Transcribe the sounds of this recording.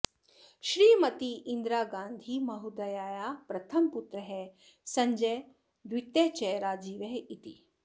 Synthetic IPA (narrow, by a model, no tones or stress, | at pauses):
ʃɾiːmɐt̪iʔind̪ɾaːɡaːnd̪ʱimɐɦud̪ɐjaːjapɾɐt̪ʰɐmput̪ɾɐɦe | sɐɲd͡ʒɐj | d̪ʋit̪jet͡ʃɛjɾaːd͡ʒiːʋeɦit̪i